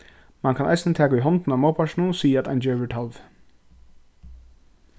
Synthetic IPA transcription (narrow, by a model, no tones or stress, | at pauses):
mankʰanʔa̰jsɪnət̪ʰæːkaujɦɔnt̪ɪnamaːwpʰaʃnusiːjaat̪a̰jnd͡ʒɛːɾɪʈʰalv